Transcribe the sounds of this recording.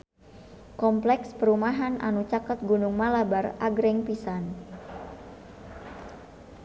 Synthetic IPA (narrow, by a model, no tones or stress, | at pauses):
kɔmplɛkspəɾumaɦanʔa̰nut͡ʃakət̪̚ɡunuŋmalabaraɡɾɛŋpisan